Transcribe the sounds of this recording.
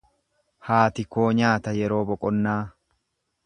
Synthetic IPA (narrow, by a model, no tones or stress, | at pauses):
haːt̪ɪko̞ːɲaːt̪ɐjɛɾo̞ːbɔkʼɔnːaː